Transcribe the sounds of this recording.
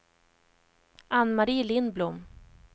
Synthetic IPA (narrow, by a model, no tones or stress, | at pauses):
anːmaɾiːlɪnblʊmː